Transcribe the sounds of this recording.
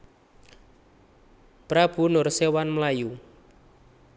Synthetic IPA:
pɾab̥ṳnʊrsewanməlaju

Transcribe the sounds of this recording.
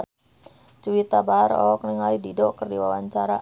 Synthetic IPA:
t͡ʃuwit̪abaaɾɔ̰kniŋalididɔkərdiwawaɲt͡ʃaɾa

